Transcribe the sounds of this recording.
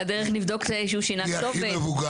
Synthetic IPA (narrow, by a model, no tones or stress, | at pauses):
ad̪eʁeχnivd̪okzeʃuʃinaovevuɡ